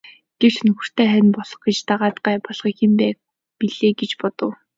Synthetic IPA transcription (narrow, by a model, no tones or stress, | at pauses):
ɡ̥ew̥t͡ɕnɵxɵ̆r̥t̪ʰeːχænpɔɮɞ̆χɡet͡ɕt̪aʁaːt̪ɢaːpɔɮ̥χiːkxempæː | piɮeːɡet͡ɕpɔt̪ɞ̆w